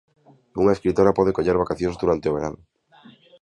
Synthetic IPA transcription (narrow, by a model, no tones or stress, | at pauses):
uŋaeskɾit̪oɾapɔð̞ekoʎeɾβakaθjõnzd̪uɾant̪eoβ̞eɾan